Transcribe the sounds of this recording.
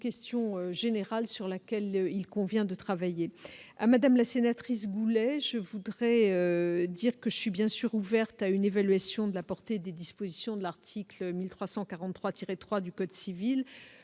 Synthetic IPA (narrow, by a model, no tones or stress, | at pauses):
kʲɛst̪jɔ̃øʒeneʁalsyʁlakʲɛlilkɔ̃vjɛ̃d̪ət̪χavaje | amad̪amlasenat̪χis̬ɡulɛʒəvud̪ʁɛød̪iʁkəʒəsɥibjɛ̃syʁuvɛʁt̪aynevalɥasjɔ̃d̪əlapɔʁt̪ed̪ed̪ispozisjɔ̃d̪əlaʁt̪ʰiklømilt̪χwasɑ̃kaʁɑ̃t̪ːχwat̪ʰiʁet̪χwad̪ykɔd̪sivil